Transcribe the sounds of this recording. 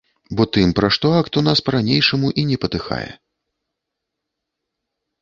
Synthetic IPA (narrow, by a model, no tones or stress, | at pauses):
bɔt̪ɨmpɾaʂt̪ɔakt̪un̪aspɐɾanʲejʂɐmuʔinʲɛpɐt̪ɨxa̰jɛ̰